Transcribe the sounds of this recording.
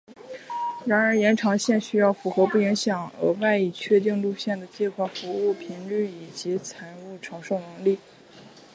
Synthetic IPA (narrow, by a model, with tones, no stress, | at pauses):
ɻa˧˥nə˞˧˥jɛ˧˥nʈ͡ʂʰɑ˧˥ŋɕjɛ˥˩˧nɕy˥jɑ˥˩ʊfu˧˥xɤ˧˥pu˥˩i˧˥ŋɕjɑ˨˩˦ŋə̰˧˥wa˥˧ɪi˥˩t͡ɕʰɥɛ˥˧t̪i˥˧ŋlu˥˧ɕjɛ˥˩nd̪ə˩t͡ɕjɛ˥˧nkʰwa˥˩fu˧˥u˥˩pʰi˧˥ŋly˥˩i˨˩t͡ɕi˧˥t͡sʰa˧˥ɪu˥˩ʈ͡ʂʰɑ˧˥ʊʂo˥˩ʊnɤ˧˥ŋli˥˩